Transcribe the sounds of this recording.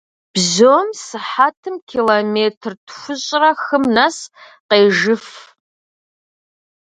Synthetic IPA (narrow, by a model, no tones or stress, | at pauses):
b̥zoːmsɨħaːtʰɨmkʲʰilomeːtʰrtʰxʷʊɕʼrɐxɨmnɐs | qeːʒɨf